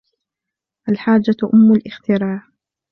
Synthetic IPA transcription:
ʔalħaːd͡ʒːaʔʊmːʊlʔɪxt̪ɪɾˤɑːʕ

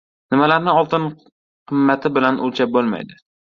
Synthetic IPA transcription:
nɪmalaɾnɪɒlˠt̪ʰɪn | qʰɨmːat̪ʰɪbɪlanʔʊlt͡ʃʰap̚bolˠma̰jd̪ɪ

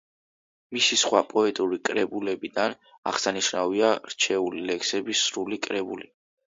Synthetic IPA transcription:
misisχwapʼɔɛt̪ʼuɾikʼɾɛbulɛbid̪an | a̰ʁ̥saniʃnaviaɾt͡ʃʰɛulilɛksɛbisɾulikʼɾɛbuli

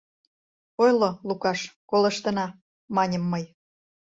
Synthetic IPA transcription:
ojlolukɑʃkoləʃt̪ə̆nɑ | mɑnʲəmːəj

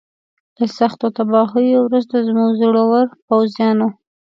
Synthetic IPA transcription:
ləsaxt̪ot̪abɑɦojowɾuzt̪azmuɡzɽawaɾpawzjɑno

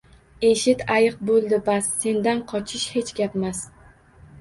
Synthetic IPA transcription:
e̞ʃɪt̪ʰajɨq̚bolˠd̪ɪbasːe̞nd̪anqʰɒt͡ʃʰɪʃhe̞t͡ʃɡʲapmas

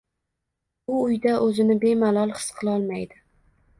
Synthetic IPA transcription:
ʊːjd̪aʔɵzɪnɪbe̞malˠɒlˠχɨ̥sqʰɨlˠɒlˠmajd̪ɪ

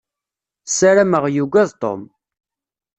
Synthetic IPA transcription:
saɾæməʁjuɡʷæðt̪o̰m

